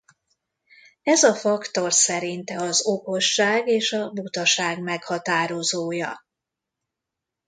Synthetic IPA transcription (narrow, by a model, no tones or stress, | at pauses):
ɛzɒfɒkt̪o̞rsɛɾint̪ɛɒzoko̞ʃːaːɡeːʃɒbut̪ɒʃaːɡmɛkhɒt̪aːɾo̞zoːjɒ̰